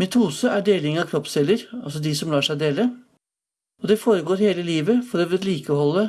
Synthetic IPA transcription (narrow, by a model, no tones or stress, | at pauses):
mɛt̪ʰuːsəʔæɖeːlɪŋəɑkʰɾɔpsɛlːəɾɑlsɔd̪ɪsɔmlɑːʂæɪd̪eːlə | ɔd̪ɛfoːɾəɡoːɾheːləliːʋəfɔɾɔʋɛliːkəhɔlːə